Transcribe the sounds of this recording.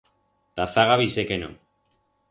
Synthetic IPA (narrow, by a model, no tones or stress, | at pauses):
t̪aθaɣaβisekeno̰